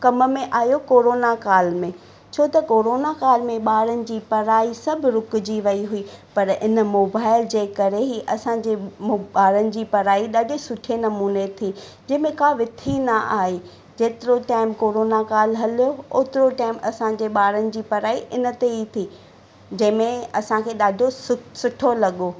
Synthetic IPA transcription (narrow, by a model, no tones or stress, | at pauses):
kɐmmẽʔaːijokoːɾoːnakaːlmẽ | t͡ɕʰoːt̪ɐkoːɾoːnakaːlmẽɓaːɾənɪ̆d͡ʑiːpɐɾaːisɐbʱɾʊkd͡ʑiʋɐiɦʊiːpɐɾɪnmoːbaːɪld͡ʑeːkɐɾeɦiʔɐsãd͡ʑeːɓaːɾənɪ̆d͡ʑiːpɐɾaːiɗɐɗɪsʊʈʰenɐmuːnet̪ʰiːd͡ʑɐ̃ɦɪ̃mẽkaːʋɪt̪ʰinɐʔaːɦe | d͡ʑeːt̪ɪɾoʈaːɪmkoːɾoːnakaːlɦɐlijooːt̪ɪɾoʈaːɪmɐsãd͡ʑeːɓaːɾənɪ̆d͡ʑiːpɐɾaːiʔɪnə̆t̪eɦit̪ʰiː | d͡ʑɐ̃ɦɪ̃mẽɐsãkʰeːɗaːɖʱosʊsʊʈʰolɐɠoː